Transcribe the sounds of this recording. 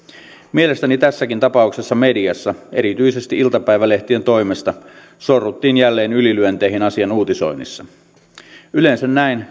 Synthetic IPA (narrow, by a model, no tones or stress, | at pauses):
mie̞le̞st̪ænit̪æsːækint̪ɑpɑukse̞sːɑme̞diɑsːɑeɾit̪yise̞st̪iʔilt̪ɑpæiʋæleht̪ie̞nt̪o̞imest̪ɑ | sorːut̪ːiːnjælːe̞ːnylilyønt̪eiɦinɑsiɑnuːt̪iso̞̰inːḭsːɑ | ylensænnæin